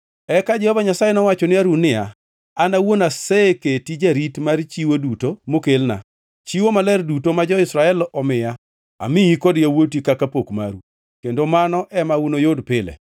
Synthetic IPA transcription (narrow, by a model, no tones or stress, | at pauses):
ɛkad͡ʒɛhɔvaɲasajenɔwat͡ʃɔnɪaɾunɪa̰ː | nawonaseketid͡ʒaɾitmaɾt͡ʃiwodutomokelna̰ | t͡ʃiwomalɛrdutomad͡ʒɔɪsɾaɛlʔɔmɪja | a̰mɪjikɔdjawotikakapokma̰ɾu | kendomanɔʔɛmaunojodpɪlɛ̰